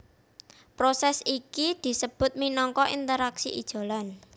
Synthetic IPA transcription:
pɾosɛsikid̪̥i̤səb̥ʊ̤t̪̚minɔŋkɔʔint̪əɾaksiʔḭd̥ʒ̥o̤lan

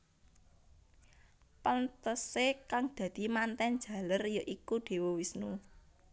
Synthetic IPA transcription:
pənt̪əsekaŋd̪̥ä̤d̪̥i̤mant̪ɛn̥ʒ̥ä̤lərjɔʔikud̪̥e̤wɔwisnu

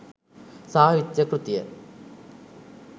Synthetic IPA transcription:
saːɦit͡ɕːɐkrut̪ːjɐ

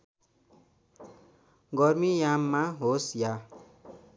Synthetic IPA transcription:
ɡʌrmijamːaɦosja

